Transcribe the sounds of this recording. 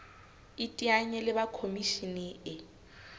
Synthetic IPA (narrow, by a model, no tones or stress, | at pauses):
itʼiaɲɛlɪbakʰomiʃinɛɪ